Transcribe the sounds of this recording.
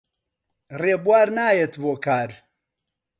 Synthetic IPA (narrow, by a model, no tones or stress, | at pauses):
reːbwaːɾnaːjet̪boːkaːɾ